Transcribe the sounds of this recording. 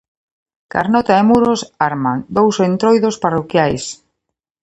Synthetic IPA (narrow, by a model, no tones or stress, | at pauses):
ka̰ɾnɔt̪aemuɾosaɾmand̪owsent̪ɾojðosparokjajs